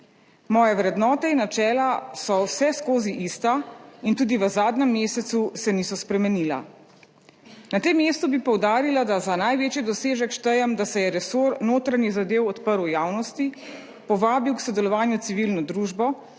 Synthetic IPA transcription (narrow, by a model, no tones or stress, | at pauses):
mɔːjɛʋɾɛd̪nɔːt̪ɛinːat͡ʃɛːlasɔwsɛskoːziʔist̪aint̪uːd̪iʋəzaːd̪nɛmːeːsɛt̪susɛnisɔspɾɛmɛniːla̰ | nat̪emːeːst̪ubipɔwd̪aːɾilad̪azanajʋeːt͡ʃjid̪ɔseːʒəkʃt̪əjɛmd̪asɛjɛɾɛsoɾnoːt̪ɾanjizad̪eːwɔt̪pəɾwjaːwnɔst̪i | pɔʋaːbiwksɔd̪ɛlɔʋaːnjut̪siʋilnɔd̪ɾuːʒbɔ